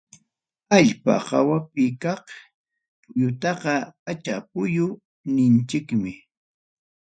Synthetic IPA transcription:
aʎpa̰hɑwapɪkɑχ | ʎʊt̪ɑqɑpat͡ʃapʊjʊ | nɪnt͡ʃɪkmɪ

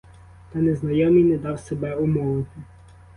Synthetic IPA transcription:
t̪ɑneznɐjɔmijnɛd̪ɑwsebɛʊmɔʋɪt̪ɪ

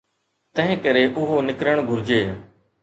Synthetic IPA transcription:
t̪ə̃ɦɪ̃kəɾeːʔʊɦoːnɪkɾəɳ̃ɡʱʊɾd͡ʒeː

